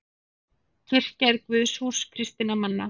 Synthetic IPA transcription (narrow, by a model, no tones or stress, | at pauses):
cʰɪr̥caðkvʏðsu̥skʰɾɪst̪ɪnamanːa